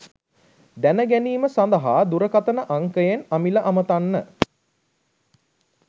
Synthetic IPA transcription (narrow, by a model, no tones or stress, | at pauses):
d̪ænəɡæniːməsand̪əɦaːd̪uɾəkat̪ənəʔaŋkəjenamiləʔamət̪anːə